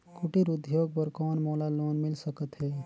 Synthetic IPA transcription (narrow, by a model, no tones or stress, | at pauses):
kuʈiɾud̪ʱjoːɡ̚pəɾkɔːnmɔːlaloːnmɪlsəkət̪ɦɛː